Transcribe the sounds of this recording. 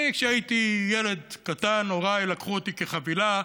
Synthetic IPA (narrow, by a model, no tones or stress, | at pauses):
kʃeait̪ijele̞d̪kat̪anoʁajlakχuot̪ike̞χavila